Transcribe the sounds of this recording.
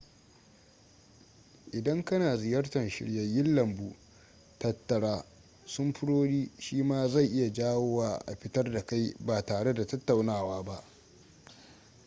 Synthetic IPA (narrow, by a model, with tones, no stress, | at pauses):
ʔɪ˨dɐ˦ŋkɐ˦naː˨zɪ˨jɐ˦rtɐ˨nʃɪ̰˨ɽjɐ˨jːɪ˦nlɐ˨mbuː˨ | tɐ˦tːɐ˨ɽaː˦ | sʊ˦mɸʊ˦ɽoː˦ɽiː˦ʃiː˦maː˦za˦˨jʔɪ˦ja˨d͡ʒaː˦wo˦waː˨ʔa̰˨ɸɪ˦tɐ˦rda˨ka˦jbaː˨taː˨ɽe˦da˨tɐ˦tːa˨wnaː˦˨waː˦ba˦ʔ